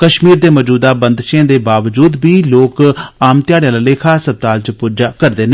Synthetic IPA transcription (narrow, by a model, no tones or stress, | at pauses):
kəʃmiːɾd̪eːmɔd͡ʒuːd̪aːbənd̪ʃẽːd̪eːbaːʋd͡ʒuːd̪biːloːkaːmt̪ɪjaːɽɪjãːlaːleːkʰaːsəb̚t̪aːlt͡ʃpuːɾd͡ʒaːkəɾd̪eːne